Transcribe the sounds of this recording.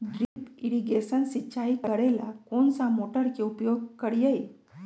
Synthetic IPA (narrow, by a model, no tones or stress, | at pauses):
ɖɾipiɾiɡesənsiɕaikəɽela̰koɳsamoʈəɾkiupjoɡ̚kəɽjej